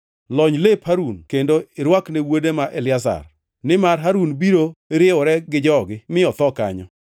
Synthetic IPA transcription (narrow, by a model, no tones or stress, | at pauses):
lɔɲlephaɾunkendoɪɾwaknewodemaʔelɪasa̰r | nɪmaɾɦaɾunbiɾoɾɪɔɾɛɡɪd͡ʒɔɡɪmɪɔt̪ɔka̰ɲɔ̰